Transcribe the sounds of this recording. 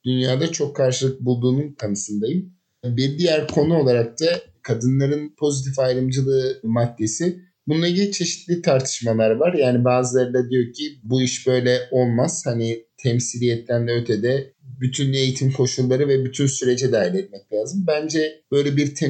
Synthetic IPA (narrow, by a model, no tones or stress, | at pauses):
d̪̥ynjaːd̪at͡ʃʰo̞kʰːaɾʃɯlˠɯk̚bulˠd̪uːnunkʰanɯsɯnd̪ajɯm | biɾd̪ijæɾkʰo̞nuo̞lˠaɾak̚t̪ʰakʰad̪ɯnlˠaɾɯnpʰo̞zit̪ʰifajɾɯmd͡ʒɯlˠɯːmad̪ːe̞sɪ | bunulˠaɡɟilʲit͡ʃʰe̞ʃi̥t̪lʲit̪ʰaɾt̪ʰɯ̥ʃmalˠaɾvaɾjaːnibaːzɯlˠaɾɯd̪ad̪ijo̞ɾcʰibuiʃbø̞jlʲɛʔo̞lˠmaz̥hanit̪ʰɛmsilʲijɛt̪lʲænd̪ɛøt̪ʰɛd̪ɛbyt̪ʰyne̞jit̪ʰimkʰo̞ʃulˠːaɾɯvɛbyt̪ʰynsyɾe̞d͡ʒɛd̪aːilʲɛt̪̚mɛc̚lʲaːzɯmbænd͡ʒɛb̥ø̞jlʲɛbiɾt̪ʰɛ